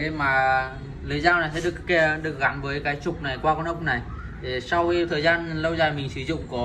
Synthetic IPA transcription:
e˨˦maː˨˩ | lɨː˨˦zaː˧wna˨˩jsɛ̰˧˥ɗɨ˨˩əkke˨˧˦ɗɨ˨˩ək̚ɣa˨˦nvəː˨˦jkaː˨˦jt͡ɕʊ˨˩k͡p̚na˨˩jkwaː˧kɔ˧nʔə˦˧˥wk͡p̚na˨˩j | t̪ʰi˨˩sa˧wxi˧t̪ʰəː˨˩jzaː˧nlə˧wzaː˨˩jmï˨˩ŋ̟sɨ˨˦zʊ̰˧˨ŋ͡mkɔ˨˦

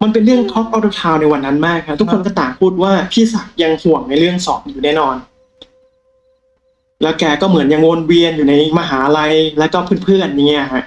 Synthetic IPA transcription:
ma˧npe˧nɾɯ˥˩əŋt̪ʰo˦˥p̚ʔaː˥˩wda˧wt̪ʰaː˧wna˧jwa˧nːa˦˥nmaː˥˩kʰːa˦˥pt̪ʰu˦˥kʰːo˧nk̬ɔː˥˩t̪aː˨˩ŋpʰuː˥˩t̪̚waː˥˩pʰiː˥˩sa˨˩k̚ja˧ŋhu˨˩əŋna˧jɾɯ˥˩əŋsɔ̰ː˨˩˦p̚ːjuː˨˩nɛː˥˩nɔː˧n | lɛː˦˥wkɛː˧kɔː˥˩mɯ˩˦ənja˧ŋwo˧nwi˧ənjuː˨˩na˧jmaː˧ɦaː˩˦˧ɾa˧jlɛː˦˥wkɔː˥˩pʰɯː˥˩˨npʰɯ˥˩ənji˧˩ŋi˦˥a˨˩kʰa˦˥ʔ

